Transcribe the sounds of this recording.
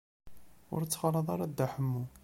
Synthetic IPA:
ʊ̰ɾt͡sːχɑlɑðˤɑɾˤɑd̪ːaħəmːu

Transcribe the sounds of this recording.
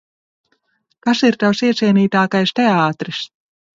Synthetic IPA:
kasiɾt̪awsiɛt̪siɛniːt̪aːkajst̪eaːt̪ɾis

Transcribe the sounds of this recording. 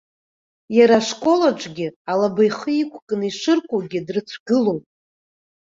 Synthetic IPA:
jaɾaʂkʷʼo̞laʈ͡ʂʷʼɡʲɪalabajχəikʷʰkʼɨniʂɨrkʷʼoɡʲɪdrɨt͡sʷʰɡɨlowpʼ

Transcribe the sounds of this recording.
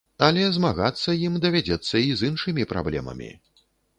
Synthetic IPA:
ɐlʲɛzmaɣat̪sːɐjimd̪ɐvʲad͡zʲɛt̪sːɐizɨnʂɨmʲipɾa̰blʲɛ̰mɐ̰mʲḭ

